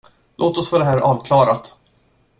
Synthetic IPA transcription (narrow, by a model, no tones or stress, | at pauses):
lʔoːt̪ɔsfɔɖɛɦæːɾʔɑːvkʰlɑːɾat̪